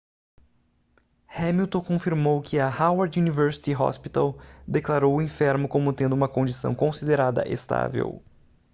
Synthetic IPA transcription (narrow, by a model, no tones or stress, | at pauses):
hẽmiwt̪õkõfiɾmowkʰɪɐhawaɾd͡ʒunivɛɾsi̥t̪iɦɔ̰spit̪a̰wd̪eklaɾowʊĩfɛɾmʊkõmʊt̪ẽnd̪ʊũmɐkõd͡ʒisɐ̰̃w̃kõsid̪eɾad̪ɐ̰ʔḛst̪a̰vḛw